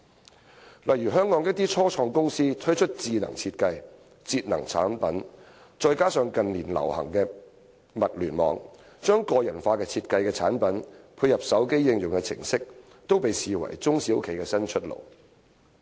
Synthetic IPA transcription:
lɐ˨jɥyː˨˩ɦœː˥ŋːɔː˧ŋjɐ˥k̚t̪̬iː˥t͡sʰɔː˥t͡ʃʰɔː˧ŋkʊ˥ŋsiː˥t̪ʰɵ˥jt͡ʃʰɵ˥t̚t͡siː˨˧nɐ̰˨˩ŋt͡sʰiː˧t̚kɐ˧j | t͡siː˧t̚nɐ˨˩ŋt͡sʰa̰ː˨˥npɐ˨˥n | t͡ʃɔː˧jkaː˥sœː˧ŋkɐ˨nliː˨˩nlɐ̰˨˩whɐ̰˨˩ŋkɛː˧ | mɐ˨t̚lyː˨˩nmɔ̰ː˨ŋ | t͡ʃœː˥ŋkɔː˧jɐ˨˩nfaː˧kɛː˧t͡sʰiː˧t̚kɐ˧jkɛː˧t͡sʰaː˨˥npɐ˨˥npʰuː˧jːɐ˨p̚sɐ˨˥wke˥jːɪ˧ŋjʊ˨ŋkɛː˧t͡sʰɪ̰˨˩ŋsɪ˥k̚ | t̪o˥wpe˨jsiː˨wɐ̰˨˩jt͡sʊ˥ŋsi˨˥wkʰe˨˩jkɛː˧sɐ˥nt͡ʃʰɵ˥t̚lo̰˨˩w

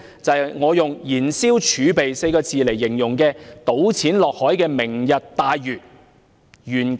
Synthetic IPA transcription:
t͡sɐ˨jŋɔː˨˧jʊ˨ŋjiː˨˩nsiː˥wt͡ʃʰyː˨˧pe˨jse˧jkɔː˧t͡siː˨le˨˩jːɪ˨˩ŋjʊ˨˩ŋkɛː˧t̪o˨˥wt͡sʰiː˨˥nlɔː˨k̚hɔː˨˥jkɛː˧mɪ˨˩ŋjɐ˨t̚t̪aː˨˧jjyː˨t̚ | jyː˨˩n

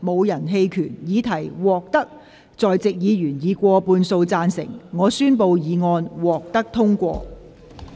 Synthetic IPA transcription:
mo˨˧wjɐ˨˩nɦe˧jkʰyː˨˩njiː˨˧t̪ʰɐ˨˩jwɔː˨k̚t̪ɐ˥k̚ | t͡sɔː˨jt͡sɪ˨k̚jiː˨˧jyː˨˩njiː˨˧kʷɔː˧puː˧nso˧wt͡saː˧nsɪ̰˨˩ŋŋɔː˨˧syː˥npo˧wjiː˨˧ŋɔː˧nwɔː˨k̚t̪ɐ˥k̚t̪ʰʊ˥ŋkʷɔː˧

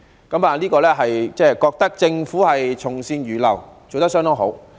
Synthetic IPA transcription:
kɐ˨˥maː˨liː˥kɔː˧lɛː˥ɦɐ˨jt͡sɛː˥˧kɔː˧k̚t̪ɐ˥k̚t͡sɪ˧ŋfuː˨˥hɐ˨jt͡sʰʊ˨˩ŋsiː˧nɥyː˨˩lɐ̰˨˩wt͡so˨wt̪ɐ˥k̚sœ˥ŋt̪ɔ˥ŋɦo˨˥w

